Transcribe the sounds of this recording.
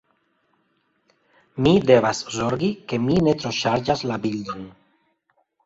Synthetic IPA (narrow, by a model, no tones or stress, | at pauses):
mid̪eβazzoɾɡikeminet̪ɾoʃaɾʒazlabiʎan